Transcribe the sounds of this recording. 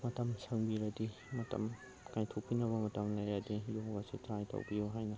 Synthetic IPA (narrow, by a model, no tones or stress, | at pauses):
mɐtɐmsɐŋbiɾɐdi | mɐtʰɐ̰m | kajtʰopːinɐβɐmɐtɐmlɐjɾadijoɡɐsitɾajtʰɐ̰wbijuɦajnɐ